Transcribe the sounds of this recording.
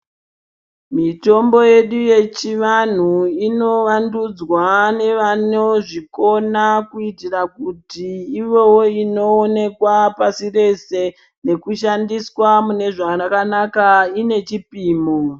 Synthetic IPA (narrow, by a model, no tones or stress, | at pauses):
mito̞mbo̞je̞ɗuje̞t͡ʃiʋan̤uino̞ʋandud͡zwane̞ʋano̞ʐiko̞nakuitirakutiːʋo̞woino̞ːne̞kwapasire̞se̞ | ne̞kuʃandiswamune̞ʐaakanakaine̞t͡ʃipiːmo